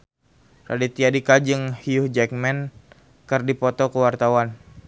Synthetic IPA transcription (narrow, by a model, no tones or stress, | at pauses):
radit̪iadikad͡ʒɨŋhiuhd͡ʒɛk̚mɛn | kɨrdipɔt̪ɔkəwart̪awan